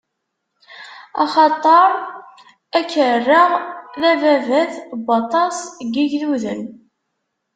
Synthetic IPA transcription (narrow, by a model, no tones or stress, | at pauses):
ɑ̰χɑt̪ˤːɑɾˤ | ækərːəʁðævævæθbɑt̪ˤɑsɡiʝðuðən